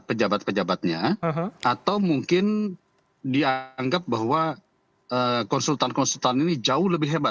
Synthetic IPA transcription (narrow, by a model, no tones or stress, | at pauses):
pəd͡ʒabat̪̚pəd͡ʒabat̪̚ɲaɦat̪awmuŋkɪn | diaŋɡap̚baɦwa | əkɔnsult̪ankɔnsult̪aninid͡ʒaʊhləbɪɦebat̪̚